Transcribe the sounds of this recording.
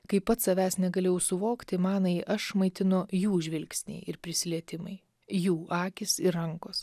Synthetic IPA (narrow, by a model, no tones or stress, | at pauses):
kɐɪpɐt̪sɐʋʲæːsnʲɛɡɐlʲeːjɛʊsʊʋoːkt̪ʲɪmɑːnɐɪʔɐʃmɐɪt̪ʲɪnʊjuːʒʲʋʲɪlʲksʲnʲḛɪʔɪɾpʲɾʲɪsʲɪlʲiɛt̪ʲɪmɐ̰ɪ | juːʔɑːkʲɪsɪɾɐŋkoːs